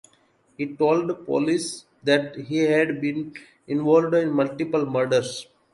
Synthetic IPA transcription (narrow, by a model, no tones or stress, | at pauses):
hiːʈoːlɖd̪əpɔ̰ːlis | d̪æʈɦiːɦæɖbĩːn | ɪ̃nʋɔːlʋɖɪ̃nmʌlʈipəlməɾɖəɾs